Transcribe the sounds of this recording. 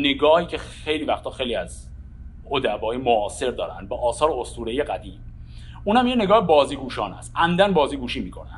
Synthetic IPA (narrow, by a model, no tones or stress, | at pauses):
neɡɒːhiːcʰe | e̞jliːvæxt̪ʰɒːxejliːæz | od̪æbɒːimoʔɒːse̞ɾd̪ɒ̰ːɾæ̰nd̪̚bɒːʔːsɒːɾeost̪uːɾejeɡæd̪iːm | uːnhæmjene̞ɡɒːhebɒːziːɡuːʃɒːnæ̰st̪ʔæmd̪ænbɒːziːɡuːʃiːmiːkʰo̞næ̰nd̪